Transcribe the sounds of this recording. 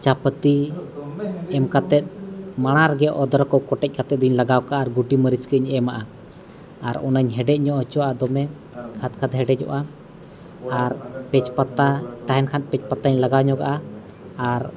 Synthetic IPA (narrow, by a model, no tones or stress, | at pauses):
t͡ʃapət̪i | ɛmkat̪ɛt̪̚ˀmaɽ̃aɾɡɛʔɔd̪ɔɾɔkɔwkɔʈɛc̚kat̪ɛt̪̚d̪uɲlaɡawkaʔaːɾɡuʈiməɾit͡ʃkəɲɛmaʔa | aɾɔ̰nəɲɦɛɖɛc̚ˀɲɔʔɔt͡ʃɔaad̪ɔmɛ | kʰat̪̚kʰat̪ɦɛɖɛd͡ʒɔ̰ʔa | aɾpɛt͡ʃpat̪at̪aɦɛnkʰanpɛt͡ʃpat̪aɲlaɡawɲɔɡa̰ʔa | aɾ